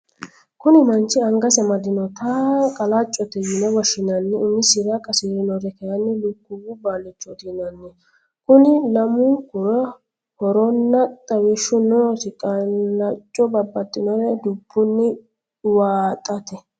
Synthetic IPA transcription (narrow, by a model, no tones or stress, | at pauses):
kʊnɪmɐnt͡ʃːɪɐŋɡɐsɛmɐd̪ɪnɔt̪ʰakʼɐlat͡ʃʼːɔt̪ːɛjɪnɛwɔʃɪnɐnːɪʊmɪsɪɾɐkʼːɐsiːɾɪnɔɾɛkɛjɐnːɪlʊkːʊbʊbaːnɪt͡ʃːɔd̪inɐnːɪ | kʊnɪlɐmʊkʊɾɐ | hɔɾɔnːɐt̪ʼːɐwɪʃːʊnoːsɪkʼɐɐt͡ʃʼːɔbɐbːɐt̪ʼːɪnɔɾɛd̪ʊbːʊnːɪ | waːt̪ʼɐt̪ɛ